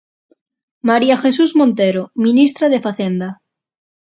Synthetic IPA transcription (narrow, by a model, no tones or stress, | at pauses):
maɾiaxesuzmõnt̪eɾomĩnist̪ɾaðefaθend̪a